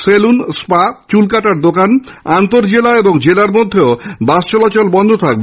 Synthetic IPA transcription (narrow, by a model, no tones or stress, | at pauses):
selunspat͡ɕulkaʈaɾd̪okan | ant̪oɾd͡ʑelaeboŋd͡ʑelaɾmod̪ʱːeobast͡ɕɔlat͡ɕɔlbɔnd̪ʱot̪ʰak̚be